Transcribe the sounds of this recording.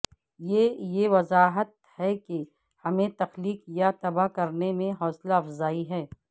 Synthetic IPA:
jeːjeʋɐzaːɦət̪̚ | hɛke | hɐmẽt̪ɐxliːkjat̪ɐbakɐɾnemẽɦɔːslaɐfzaːiɦɛː

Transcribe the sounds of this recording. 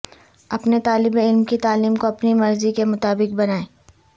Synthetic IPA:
ɐpnet̪aːlɪbeɪlmkit̪aːliːmkoɐpnimɐɾzikemʊt̪aːbɪk̚bɐnaːẽː

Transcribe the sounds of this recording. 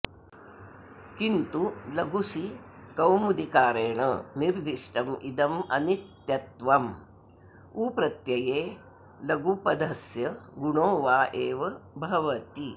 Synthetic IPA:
kint̪ulɐɡusikɐwmud̪ikaːɾeːɳɐ̰niɾd̪ʱiʂʈɐmʔid̪ɐmɐ̰nit̪jɐt̪ʋɐm | uːpɾɐt̪jɐjeː | lɐɡupɐd̪ʱɐsjɐɡuɳoːʋaːʔeːʋɐbʱɐʋɐt̪i

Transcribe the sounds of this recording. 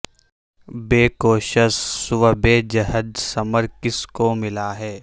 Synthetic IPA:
beːkoːʃəʃːʊʋəbeːd͡ʒɐɦəd̪sɐməɾkɪskomɪlaɦɛː

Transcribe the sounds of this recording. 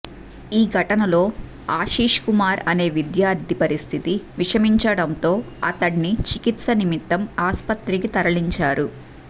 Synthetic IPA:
iːɡʱɐʈɐnɐlo̞ː | aːʃiːʂkumaːɾɐne̞ːʋid̪jaːɾd̪ʱipɐɾist̪ʰit̪iʋiʂɐmiɲt͡ʃɐɽɐnt̪o̞ː | ɐ̰t̪ɐɽnit͡ʃikit̪sɐnimit̪ːɐmaːspɐt̪ɾikit̪ɐɾɐɭiɲt͡ʃaːɾu

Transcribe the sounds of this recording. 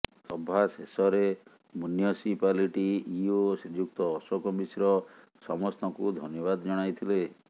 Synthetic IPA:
sɔbʱasesɔɾe | muniɔsipaliʈiiosid͡ʒuk̚t̪ɔːsɔkɔbisɾɔ | sɔmɔst̪ɔŋkud̪ʱɔnjɔβad̪ɔd͡ʒɔɽ̃ajt̪ʰile

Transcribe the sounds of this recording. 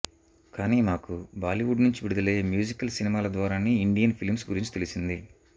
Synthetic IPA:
kaːniːmaːkubaːliʋuɖnuɲt͡ʃiʋiɽud̪ɐle̞ːmjuːd͡ʒikːɐlsinimaːlɐd̪ʋaːɾaːniːɳɖijɐnpʰilmsɡuɾiɲt͡ʃi̥t̪e̞lisind̪i

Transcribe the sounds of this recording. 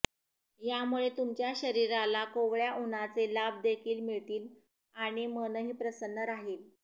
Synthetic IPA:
jamuɭet̪umt͡ɕjaɕəɾiɾalakoʋɭjaʔunat͡selab̚d̪ekʰiːlmiɭt̪iːl | aɽ̃imənəɦiːpɾəsənːəɾaɦiːl

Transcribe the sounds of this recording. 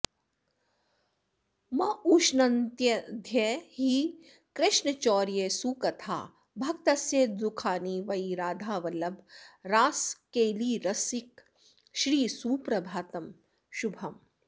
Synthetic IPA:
mɐuːʃnɐnt̪jɐd̪ʱjehi | kɾɪʃɳɐt͡ʃɔːɾjesuːkɐt̪ʰa̰ː | bʱɐkt̪ɐsjeːd̪ukʰaːniːʋɐjiɾaːd̪ʱaːʋɐlɐbʱɾaːskeːliːɾɐsik | ʃɾiːsuːpɾɐbʱaːt̪ɐm | ʃubʱɐm

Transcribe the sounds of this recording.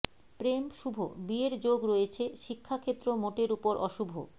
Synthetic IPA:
pɾemʃubʱobieɾd͡ʑoɡɾojet͡ɕʰeʃikʰːakʰet̪ːɾomoʈeɾupoɾʔɔʃubʱo̰

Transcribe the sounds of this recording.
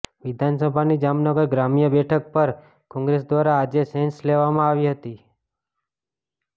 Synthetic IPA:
ʋɪd̪ʱansəbʱanid͡ʒamnəɡəɾɡɾamijəbɛʈʰək̚pəɾ | kɔ̃ŋɡɾes̬d̪ʋaɾaːd͡ʒesensleʋamãaʋiɦət̪i

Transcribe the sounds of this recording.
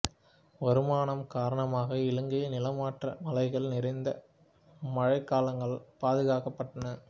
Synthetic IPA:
ʋɐɾɯmaːɳɐmkaːɾɐɳɐmaːɣɐɪɭɯŋɡɐjnɪlɐmaːʈrɐmɐlɐɪɣɐɭnɪɾɐɪnd̪ɐ | mɐɻɐɪkːaːlɐŋɡɐɭpaːðɯɣaːkɐpːɐʈːɐnɐ

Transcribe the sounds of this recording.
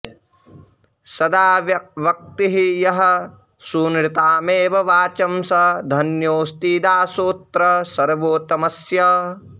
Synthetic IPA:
sɐd̪aːʋjɐʋɐk̚t̪iɦijɐɦɐ̆ | suːnɾit̪aːmeːʋɐʋaːt͡ʃɐmsɐd̪ʱɐnjoːst̪iːd̪aːsoːt̪ɾɐsɐɾʋoːt̪ɐmɐsjɐ

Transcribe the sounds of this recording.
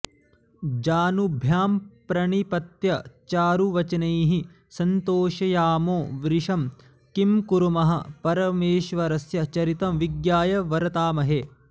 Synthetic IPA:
d͡ʒaːnubʱjaːmpɾɐɳipɐt̪jɐt͡ʃaːɾuʋɐt͡ʃɐneːɦi | sɐnt̪oːʃɐjaːmoːʋɾiʂɐm | kimkuɾumɐɦɐpɐɾɐmeːʃʋɐɾɐsjɐt͡ʃɐɾit̪ɐmʋiɡjaːjɐʋɐɾɐt̪aːmɐɦe

